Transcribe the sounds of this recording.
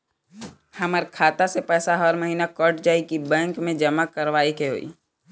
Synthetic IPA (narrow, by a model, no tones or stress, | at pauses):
hɐməɾkʰaːt̪asepɛːsaɦəɾməɦiːnakəʈd͡ʒaːikibɛ̃ːŋkmẽd͡ʒəmakəɾʋaːikeɦo̰ːḭː